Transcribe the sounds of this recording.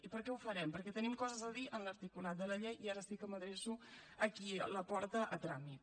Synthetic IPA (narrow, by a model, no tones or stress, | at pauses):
ipəɾkɛufəɾɛmpəɾkɛt̪ənimkɔzəzəðiʔənləɾt̪ikulat̪̚d̪ələʎejiaɾəsikəməðɾesuəkiləpɔɾt̪əʔət̪ɾamit̪